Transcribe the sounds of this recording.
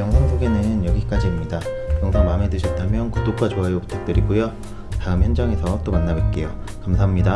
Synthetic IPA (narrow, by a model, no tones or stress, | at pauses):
jʌŋsʰaŋsʰoɡe̞nɯnjʌɡik͈ad͡ʑiːmɲidakjʌŋsʰʌŋmame̞dɯɕʰʌt̚t͈amjʌnkudok͈wat͡ɕoɦajopu̥tʰak̚t͈ɯɾiɡujo | taɯmçjʌnd͡ʑʌŋe̞sʰʌt͈omanːabwet̚k͈e̞jo | kamsʰaɦamɲida